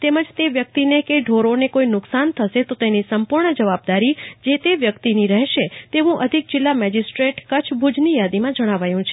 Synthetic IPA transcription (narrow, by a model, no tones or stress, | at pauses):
t̪eməd͡ʒt̪eʋjək̚t̪inekeɖʱoɾonekoinʊksant̪ʰəʃet̪ot̪enisəmpuɾɳəd͡ʒəʋab̚d̪aɾid͡ʒet̪eʋjəkt̪iniɾəɦʃet̪eʋũʔəd̪ʱik̚d͡ʒɪlːamɛd͡ʒisʈɾeʈkət͡ʃʰbʱud͡ʒnijad̪imãd͡ʒəɽ̃aʋajũt͡ʃʰe